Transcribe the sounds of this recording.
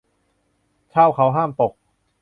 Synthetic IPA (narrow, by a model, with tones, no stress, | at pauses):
kʰaː˥˩wkʰa˦˥wɦaː˥˩mp̪o˨˩k̚